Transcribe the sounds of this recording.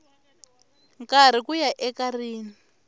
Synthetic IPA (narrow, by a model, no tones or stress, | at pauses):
kaɾ̤ikujaʔɛkariːni